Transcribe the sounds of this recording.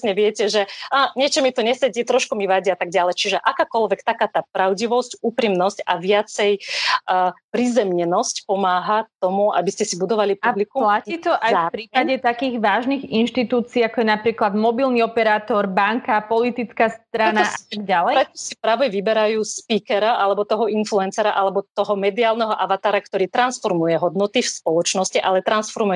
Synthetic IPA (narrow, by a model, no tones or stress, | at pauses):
sɲɛʋɪɛcɛʒɛaɲɪɛt͡ʃɔmit̪ɔɲɛsɛɟit̪ɾɔʃkumiʋaɟiat̪aɡɟalɛt͡ʃiʒɛʔakaːkɔlʋɛkt̪akaːt̪aːpɾaʊɟiʋɔscuːpɾimnɔsca̰ʋɪat͡sɛj | pɾizɛmɲɛnɔscpɔmaːɦat̪ɔmua̰biscɛsibud̪ɔʋalipublikulait̪ɔʔajapɾiːpaɟɛt̪akiːɣʋaːʒniɣinʃt̪it̪uːt͡siːakɔjɛnapɾiːklad̪mɔbilniɔpɛɾaːt̪ɔɾbaŋkapɔlit̪it͡skast̪ɾanaaaɡ̚ɟalɛjɾɛt̪ɔsipɾaːʋɛʋibɛɾajuːspiːkɛɾaʔalɛbɔt̪ɔɦɔinfluɛnsɛɾaʔalɛbɔt̪ɔɦɔmɛd̪iaːlnɛɦɔʔaʋat̪aːɾakt̪ɔɾiːt̪ɾansfɔɾmujɛɦɔd̪nɔt̪ifspɔlɔt͡ʃnɔsciʔalɛt̪ɾansfɔɾmujɛ